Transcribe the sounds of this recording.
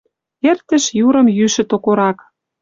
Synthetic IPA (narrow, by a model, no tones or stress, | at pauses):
ert̪ə̆ʃjuɾɤ̆mjyʃɘ̆t̪okoɾɑk